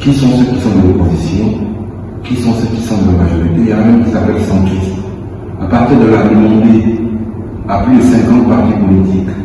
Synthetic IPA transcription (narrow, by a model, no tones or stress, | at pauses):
kisɔ̃søkʲisɔ̃t̪d̪əlɔpozisjɔ̃ | kisɔ̃søkʲisɔ̃d̪əlamaʒɔʁit̪ejɑ̃namɛ̃mkʲisapɛlsɑ̃t̪χist̪ | apaʁt̪iʁd̪əlad̪əmɑ̃d̪e | aplyd̪əsɛ̃kɑ̃t̪̚paʁt̪ipɔlit̪ik